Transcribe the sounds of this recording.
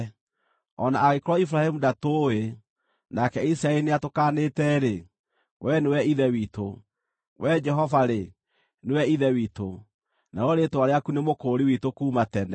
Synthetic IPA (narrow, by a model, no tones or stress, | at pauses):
ɔnaːɣekɔɾɔifuɾahɛmudatoe | nakɛisɾaɛineatokanetɛɾe | wʔɛnewɛiðɛwiːto | wɛd͡ʒɛɦɔvaɾe | newɛiðɛwito | naɾɔɾetowaɾeakunemokoːɾiwitokuːmatɛnɛ